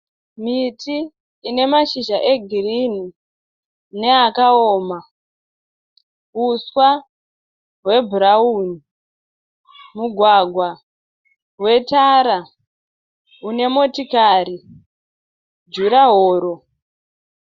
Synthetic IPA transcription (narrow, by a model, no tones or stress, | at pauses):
mitiː | ne̞maʃiʒaʔeɡʱirini | ne̞akaoːma | uswa | ɦwe̞bʱuɾauni | muɡʱwaɡʱwa | ɦwe̞taɾa | une̞mo̞tikaːɾi | d͡ʒuɾaɦoːɾo̞